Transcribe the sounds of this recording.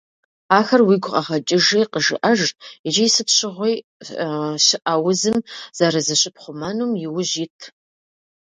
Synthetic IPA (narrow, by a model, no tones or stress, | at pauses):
aːxɐrwiːɡʷʊqʼɐʁɐt͡ʃʼɪʒiːqəʒɨ̰ʔɐʒɪd͡ʒijsɨpɕɪʁʷej | ɕɪʔɐwʊzɨmz̥aɾɐzɐɕʼɪpχʷʊmaːnuːmjɪwʊʑiːtʰ